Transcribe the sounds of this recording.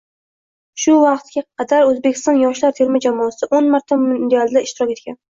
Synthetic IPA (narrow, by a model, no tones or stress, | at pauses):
ʃʊvɑqt̪ɡʲaqʰɑd̪aɾɵzbekʲɪ̥st̪ɒnjɒʃlaɾt̪ʰe̞ɾmɪd͡ʒamɒsɪʔonmaɾt̪ʰamɪnd̪ealˠd̪aɪʃt̪ɪɾɒkʲe̞t̪̚kʲan